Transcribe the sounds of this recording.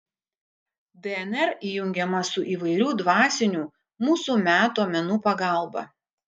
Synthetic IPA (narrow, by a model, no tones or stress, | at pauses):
d̪ʲɛɛnɛɾiːjʊŋʲɡʲɛmɐsʊʔiːʋɐɪɾʲuːd̪ʋɑːsʲɪnʲuː | muːsuːmʲæːt̪oːmʲɛnuːpɐɡɑˑlˠbɐ̰